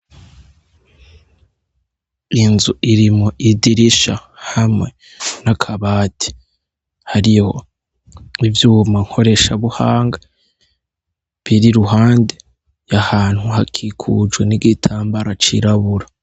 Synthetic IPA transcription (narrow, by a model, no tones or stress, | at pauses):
inzuʔiɾimoʔidiɾiʃahamŋe̞ | nakʰaβaːtʰi̥ | haɾiho̞̰ | ivjuːmaŋ̥ho̞ɾe̞ʃaβuhaːŋɡa | βiɾiɾuɦaːnde | jahaːn̥huɦakʰikʰṵd͡ʒɡwe̞niɡitʰaːmbaɾat͡ʃḭɾaβuɾa